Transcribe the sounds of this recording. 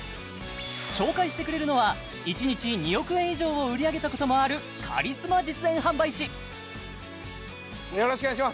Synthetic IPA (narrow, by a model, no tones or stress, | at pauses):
ɕo̞ːkaiɕ̬i̥t̪e̞kɯɾe̞ɾɯ̟no̞βa | it͡ɕiɲ̟it͡ɕiɲ̟ijo̞kɯ̟ẽ̞ɰ̃iʑo̞ːoɯ̟ɾʲiaɡe̞t̪ako̞t̪o̞mo̞aɾɯ̟ | kʰa̰ɾʲisɨmad͡ʑit͡sɨẽ̞ɰ̃ɦãmbaiɕi | joɾoɕkɯaɕ̬ima